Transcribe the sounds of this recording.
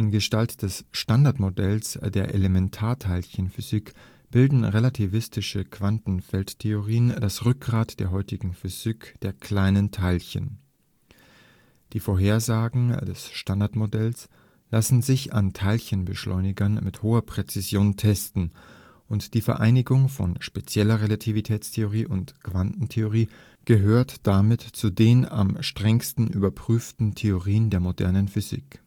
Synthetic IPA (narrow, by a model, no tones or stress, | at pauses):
ʔɪnɡəʃtaltd̥ɛsʃtandaɐtmodɛlsd̥eːɐʔelemɛntʰaːɐtʰaɪlçənfyzik | b̥ɪldn̩ʁelatʰivɪstɪʃəkv̥antn̩fɛlttʰeoʁiːəndasʁʏk̚ɡ̥ʁaːtd̥eːɐɦɔʏtɪɡŋ̩fyz̥ikd̥eːɐkʰl̥aɪnəntʰaɪlçə̰n | d̥iːfoːɐɦeːɐzaːɡŋ̩dɛsʃtandaɐtmodɛls | lasn̩zɪça̰ntʰaɪlçənbəʃlʔɔ̰ʏnɪɡɐnmɪthoːɐpʁ̥et͡sɪzjoːntʰɛstn̩ | ʔʊntd̥iːfɛɐʔaɪnɪɡʊŋfɔ̰nʃpet͡sjɛlɐʁelatʰivitʰɛːt͡stʰeoʁ̞iːʔʊntkv̥antn̩tʰeoʁ̞iː | ɡ̥əɦøːɐtd̥amɪtt͡sudeːna̰mʃtʁ̥ɛŋstn̩ʔy̰ːbɐpʁ̥yːftn̩tʰeoʁiːəndeːɐmodɛ̰ɐnənfyzḭk